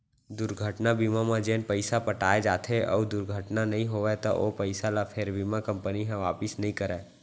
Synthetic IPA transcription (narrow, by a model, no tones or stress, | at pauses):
d̪ʊɾɡʱəʈnabiːmamãd͡ʒeːnpəɪsapəʈaːed͡ʒaːt̪ʰeʔɔ̰ːd̪ʊɾɡʱəʈnanɐɦĩɦoʋet̪ɔ̰ʔopəɪsalapʰeɾbiːmakɐ̃mpəniɦɛ̃ʋaːpɪsnɐɦĩkəɾɛ̃ː